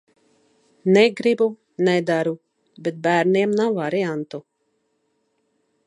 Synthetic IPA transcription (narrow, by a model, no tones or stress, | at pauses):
nɛɡɾibu | nɛd̪aɾu | bɛt̪̚bæːɾniɛmnawvaɾiant̪u